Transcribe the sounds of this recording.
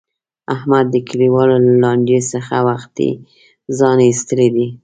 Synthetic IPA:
ahmad̪ːəkʰaɽiwɑlolalɑɳɖesəxawaxt̪ḭ | zɑneist̪əled̪i

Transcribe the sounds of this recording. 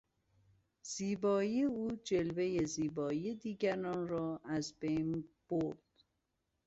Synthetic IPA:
z̥iːbɒːijeuːd͡ʒelve̞jeziːbɒːijed̪iːɡæɾɒːnrɒːʔæzbejnb̥oɾd̪̥

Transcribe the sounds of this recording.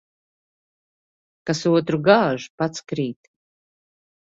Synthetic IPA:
kasuɔt̪ɾuɡaːʒupat̪skɾiːt̪

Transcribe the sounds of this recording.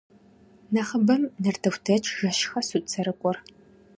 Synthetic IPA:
nɐχəbɐmnɐrtʰɐwʷtʰɐt͡ʃʰʼʒɐʃxɐsut͡sʰɐɾɨkʷʼɔr

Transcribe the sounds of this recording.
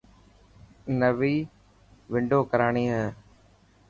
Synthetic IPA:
nəʋiː | ʋɪɳɖoːkəɾaːɳ̃iːɦɛː

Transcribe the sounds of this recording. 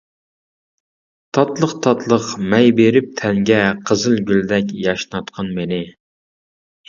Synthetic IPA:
t̪ʰɑt̪lˠəqt̪ʰɑt̪lˠəqmɛjbeɾɪp̚t̪ʰɛŋɡʲɛqʰəzɨlˠɡʲyld̪ɛkʲjɑʃnɑt̪qʰɑnmenɪ

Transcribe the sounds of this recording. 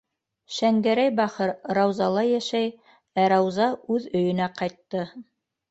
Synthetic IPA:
ʃæŋɡæɾæjbɑχɤɾɾɑwzɑlˠɑjæʃæj | æɾɑwzɑʉðɵ̆jɵ̆næqɑjt̪ːɤ

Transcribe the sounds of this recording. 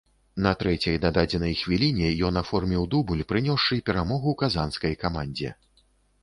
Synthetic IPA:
nɐt̪ɾɛt͡sʲɐjd̪ad̪ad͡zʲɛnɐjxvʲilʲinʲɛjɔnafɔrmʲɛwd̪ubulʲpɾɨnʲɔʂːɨpʲɛɾamɔɣukazanskɐjkamanʲd͡zʲɛ̰

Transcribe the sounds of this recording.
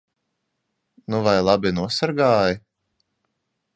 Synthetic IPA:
nuvajlˠabʲinuɔsaɾɡaːji

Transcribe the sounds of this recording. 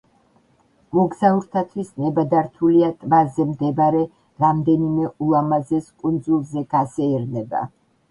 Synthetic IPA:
mɔɡzauɾt̪ʰat̪ʰwisnɛbad̪aɾt̪ʰuliat̪ʼmazɛmd̪ɛbaɾɛ | ɾamd̪ɛnimɛulˠamazɛskʼund̪zulˠzɛɡ̥asɛɛɾnɛba̰

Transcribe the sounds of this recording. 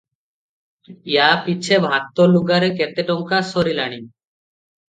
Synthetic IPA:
japit͡ɕʰebʱat̪ːoluɡaɾekɛt̪eʈɔŋkasoɾilaɽ̃i

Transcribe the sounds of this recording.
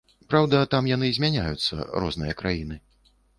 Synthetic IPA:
pɾawd̪ɐt̪amjan̪ɨzʲmʲanʲajut̪sːɐ̰ɾɔ̰znɨjɐkɾajin̪ɨ

